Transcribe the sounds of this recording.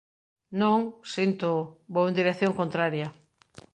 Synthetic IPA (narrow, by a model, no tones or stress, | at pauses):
nõŋsint̪ʊboend̪iɾeθjoŋkont̪ɾaɾjɐ